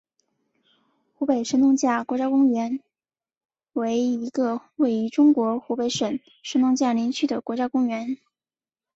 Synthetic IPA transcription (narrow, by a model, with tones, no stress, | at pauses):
xu˧˥pe˨˩ɪʂə˥nʊ˥˧ŋt͡ɕja˥˩kwɔ˧˥t͡ɕja˥kʊ˥ŋɥɛ˧˥n | we˧˥ɪi˧˥ɡə˧we˥˩ɪi˧˥ʈ͡ʂʊ˥ŋkwɔ˧˥xu˧˥pe˧˥ɪʂə˨˩n | ʂə˥nʊ˥˧ŋt͡ɕja˥˩li˧˥nt͡ɕʰy˥˩d̪ə˩kwɔ˧˥t͡ɕja˥kʊ˥ŋɥɛ˧˥n